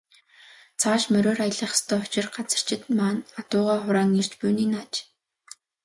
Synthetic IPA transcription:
t͡sʰaːʃmœɾoːrajə̆ɮə̆χst̪ʰœːʊ̥t͡ɕɪ̆rɢat͡sə̥̆r̥t͡ɕɪ̆t̪maːnat̪ʊːʁaːχʊɾaːŋir̥t͡ɕpuːniːnat͡ɕ

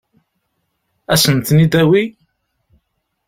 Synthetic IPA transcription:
æsənt̪nid̪æwi

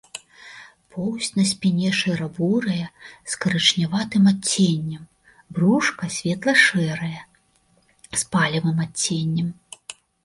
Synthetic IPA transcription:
pʰɔwsʲtʲnɐsʲpʲinʲɛʂɨɾɐbuɾɐjɐskɐɾɨt͡ʂnʲavat̪ɨmat͡sʲːenʲːɐm | bruʂkɐsʲvʲɛt̪lˠɐʂɛɾɐjɐ | spalʲɐvɨmat͡sʲːenʲːɐm

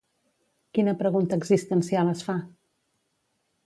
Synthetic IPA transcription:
kinəpɾəɣunt̪əːɡzist̪ənsialˠəsfa

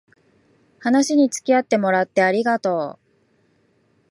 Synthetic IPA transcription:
hanaɕiɲ̟it͡sɨ̥kʲiat̪ːe̞mo̞ɾat̪ːe̞aɾʲiɡat̪o̞ː

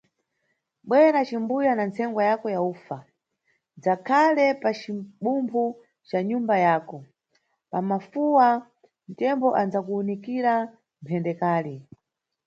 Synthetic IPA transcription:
ɓwɛɾat͡ʃimbujanant͡sʰɛŋɡwajakɔjauːfa | d͡zakʰalɛpat͡ʃiɓumbʰu | t͡ʃaɲumbajaːkɔ | pamafuwa | n̩tɛmbɔʔand͡zakuːnikiɾa | mpʰɛndɛkaːli

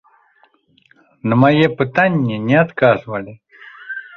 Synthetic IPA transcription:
nəmajepɨt̪anʲːɛnʲɛat̪kazvəlʲɪ

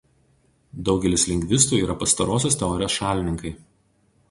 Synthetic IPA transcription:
d̪ɒʊɡʲɛlʲɪsʲlʲɛŋʲɡʲʋʲɪst̪uːiːɾɐpɐst̪ɐɾoːsʲoːs̬ʲt̪ʲɛɔːɾʲoːsʃɑːlʲɪnʲɪŋkɐɪ

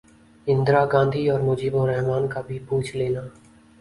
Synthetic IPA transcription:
ɪ̃nd̪ɾaɡãːnd̪ʱiɔːɾmʊd͡ʒiːbõɾɛɦmaːnkabʱipuːt͡ʃʰleːnaː

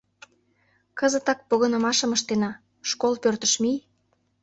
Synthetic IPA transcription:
kəzə̆t̪ɑk̚poɣə̆nə̆mɑʃə̆məʃt̪enɑ | ʃkolpørt̪əʃmij

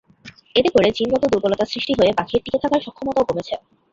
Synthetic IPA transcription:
et̪epoɾed͡ʑinɡɔt̪od̪uɾbolot̪asɾiʃʈiɦoebakʰiɾt̪iket̪ʰakaɾʃɔkʰːomot̪aokomet͡ɕʰe

